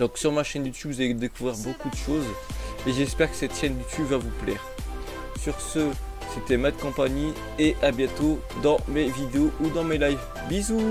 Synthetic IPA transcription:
d̪ɔ̃ksyʁmaʃɛnd̪yt̪ybvuzaled̪ekuvʁiʁbokud̪əʃozmeʒɛspɛʁkə̥sɛt̪ʃɛnd̪yt̪ybvavuplɛːʁ | syʁsə | set̪ɛmad̪əkɔ̃paɲi | eʔabjɛ̃t̪o | d̪ɑ̃mevid̪eoʔud̪ɑ̃melajv | bizu

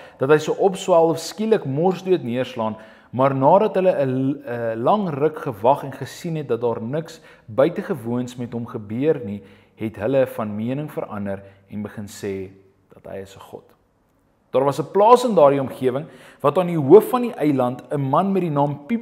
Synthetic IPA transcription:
d̥ɐtɦəjsəwʔɔpswælˠɔfskiləkmɔrsduətniərslɑːn | mɑːrnɑːdɐtɦələəəəlɐŋrəkχəvɐχɛnχəsinɦɛt̚dɐt̚dɑːrnəks | bœɥtəχəvuənsmɛtɦomχəbøərni | ɦɛtɦələfɐnmiənəŋfə̰ɾɐ̰ndəɾ | ɛnbəχənsɛː | d̥ɐtɦə̰jəsəχɔ̰t | d̥ɑːrvɐsəplɑːsəndɑːrdiɔmχiəvəŋvɐtɑːniɦuəfːɐniʔəjlɐntəmɐnmɛt̚dinɑːmpi

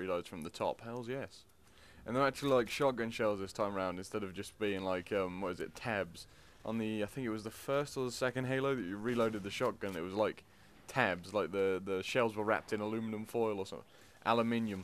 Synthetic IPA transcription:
iloʊdz̥fɹə̃mðətʰɒ̰phɛɪlˠzjɛs | ə̃nðə˞ak̚t͡ʃʉl̩ˠilaɪkʃɑk̚ɡ̥ʌ̃nʃɛlˠzðɪstʰãɪ̃məɹãʊ̃ndɨ̃nstɛɾʌvd͡ʒʌsb̥iɪ̃ŋlaɪkʰʌ̃mwʌt̚wʌzɪtʰɛbz̥ | ʔə̃nðiaɪθɪ̃ŋkɪt̚wʌzðəfɜˑ˞stəðəsɛkɨ̃nd̚ɦeɪlˠoʊðɨt͡ʃɨɹiloʊɾɨd̪̚ðɨʃɑk̚ɡ̥ʌ̃nɪ̰ʔ̚wʌzlaɪk | tʰɛbzlaɪk̚ðəðəʃɛlˠzwəɹæ̰p̚tɨ̃nəlʉmɨnə̃ɱfɔɪlˠəsʌ̃ | ʔa̰lˠəmɪ̃njɨ̃m

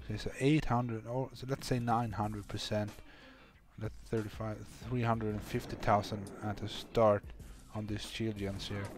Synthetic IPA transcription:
sesoʔeɪthʌ̃ndɹəɔlətseɪnãɪ̃nhʌ̃ndɹəd̚pʰə˞sɛ̃nt | lətθɜ˞ɾifaɪθɹiɦʌ̃ndɹədə̃nfɪftiθʰaʊzə̃ndəɾəstɑɹɾ | n̩ðɪst͡ʃʰilˠdə̃nsiɹ

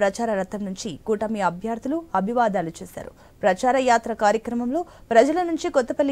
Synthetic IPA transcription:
pɾɐt͡ʃaːɾɐɾɐt̪ːɐmnuɲt͡ʃikuːʈɐmiɐbʱjaːɾt̪uluɐbʱiʋaːd̪aːlut͡ʃeːsa̰ːɾṵ | pɾɐt͡ʃaːɾɐjaːt̪ɾɐkaːɾjɐkɾɐmɐmlo̞ːpɾɐd͡ʒɐlɐnuɲt͡ʃikɔt̪ːɐpɐlː

